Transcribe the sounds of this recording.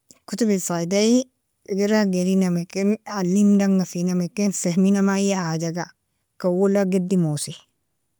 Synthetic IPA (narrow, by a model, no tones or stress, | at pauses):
kut̪ubisadai | ɡiɾaɡeɾinamekenʕalːindaŋɡasinamekensehminamajahad͡ʒaɡa | kawulaɡedimosi